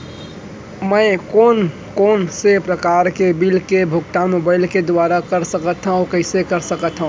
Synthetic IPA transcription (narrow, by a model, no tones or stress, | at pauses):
mə̃ɪkoːn | koːnsepɾəkaːɾkebilkebʱʊk̚ʈamobaɪlked̪ʊaːɾakəɾsəkət̪ɦaũkəɪsekəɾsəkət̪ɦãũ